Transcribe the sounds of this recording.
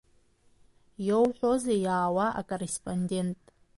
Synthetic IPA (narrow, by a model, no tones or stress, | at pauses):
jowħʷᶣozajaːwaʔa̰kʼorespʼonde̞ntʼ